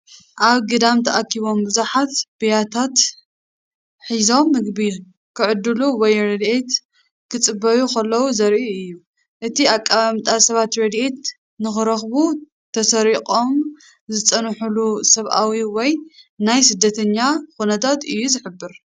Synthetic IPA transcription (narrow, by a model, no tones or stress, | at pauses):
ʔaβɡɨd̪amt̪ʰɐʔakʰːiβo̞mbɨzuħat̪bijat̪ʰat̪ | ħizo̞mːɨɡbi | kʰɨʕɨd̪ːɨluwɔjɾɐd̪ʔet̪ | kʰɨt͡sʼɨbɐjukʰɐlːɐwuzɐɾʔiiɨjːu | ʔɨt̪ʰiakʼːaβamt̪ʼasɐβat̪ɾɐd̪ʔet̪ | nɨxɨɾɐxbu | t̪ʰɐsɐɾikʼo̞m | zɨt͡sʼɐnħulusɐβʔawiwɔjnajsɨd̪ːɐt̪ʰɐɲːaxunɐt̪ʰat̪ɨjːuzɨħɨbːɨɾ